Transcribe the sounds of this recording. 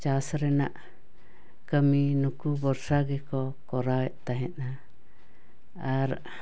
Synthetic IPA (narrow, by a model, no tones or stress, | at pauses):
t͡ʃasɾɛnaʔ | kəminukubɔɾsaɡɛkɔkɔɾawɛʔt̪aɦɛ̃t̪na | aɾ